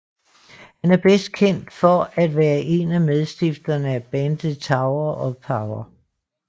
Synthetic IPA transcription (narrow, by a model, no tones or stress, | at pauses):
hænæɐb̥esd̥̚kʰen̰d̥fɒæd̥ʋæːɐʔe̝næmeðˠsd̥ifd̥ɐnəæb̥ænd̥t͡sʰɑ̈ʊɐʔɒ̽pʰɑ̈ʊɐ